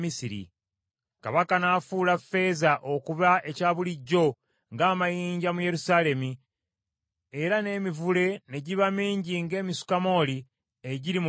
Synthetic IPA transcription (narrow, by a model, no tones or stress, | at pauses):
misiɾḭ | kaβakanaːfulafe̞ːzaʔo̞kuβae̞caːβuliɟːo̞ | ŋɡaːmajiːɲɟamuje̞ɾusaːle̞mi | e̞ɾane̞ːmivule̞ne̞ɟiβamiːɲɟiŋɡe̞ːmisu̥kamo̞ːli | eɟiɾim